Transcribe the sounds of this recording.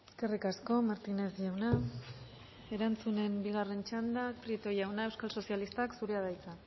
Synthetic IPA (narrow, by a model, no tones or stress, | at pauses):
eske̞rikasko̞maɾt̪ine̞sʝawna | e̞ɾant͡sune̞mbiɣ̞are̞nt͡ʃand̪ak̚pɾit̪o̞jawnaewskalso̞sialist̪aksuɾeaðajt͡sa